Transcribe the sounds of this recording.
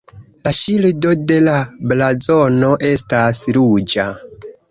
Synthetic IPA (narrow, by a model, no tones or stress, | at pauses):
laʃildo̞de̞lablazo̞no̞ʔe̞stasɾud͡ʒa